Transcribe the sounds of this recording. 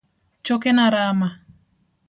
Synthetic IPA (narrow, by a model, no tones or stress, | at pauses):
t͡ʃokenaɾama